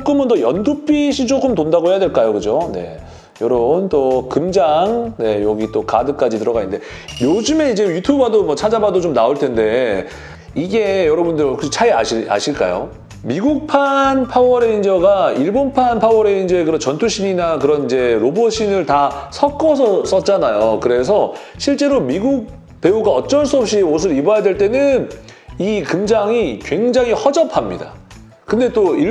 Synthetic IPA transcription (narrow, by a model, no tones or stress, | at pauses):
k͈ɯmɯntʌjʌndup͈ʰiɕʰit͡ɕok͈ɯmtondaɡoɦejadwe̞ɭk͈ajokɯd͡ʑone̞̰ | jʌɾʌunt͈okɯmd͡ʑaŋne̞jʌɡit͈okadɯk͈ad͡ʑitɯɾʌɡanɯnde̞ | jod͡ʑɯme̞id͡ʑe̞jutʰjubadomwʌt͡ɕʰad͡ʑabadot͡ɕomnaoɭtʰe̞nde̞ | iɡe̞jʌɾʌbundɯɾkʰɯt͡ɕʰaiaɕia̰ɕʰiɭk͈a̰jo̰ | miɡuk̚pʰanpʰawʌɾe̞ind͡ʑʌɡaiɭbonpʰanpʰawʌɾe̞ind͡ʑʌekɯɾʌnt͡ɕʌntʰuɕʰiɲinakɯɾʌnid͡ʑe̞ɾobʌɕʰinɯɭtasʰʌk͈ʌsʰʌs͈ʌt̚t͡ɕ͈anajokɯɾe̞s̬ʰʌ | ɕʰiɭt͡ɕ͈e̞ɾomiɡuk̚ | pe̞uɡaʌt͡ɕ͈ʌɭs͈uʌp̚ɕ͈ios̬ʰɯɾibajadwe̞ɭt͈e̞nɯn | ikɯmd͡ʑaŋikwe̞ŋd͡ʑaŋihʌd͡ʑʌpʰamɲḭda̰ | kɯnde̞t͈oi